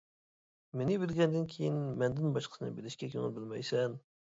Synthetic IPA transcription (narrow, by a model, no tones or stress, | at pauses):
menɪbɪlɡʲɛnd̪ɪnkʲʰejinmɛnd̪ɪnbɑʃqʰə̥sɨnɨ̰belɪʃkʲɛkʲʰøŋɪ̰lˠbɪlmɛjsɛn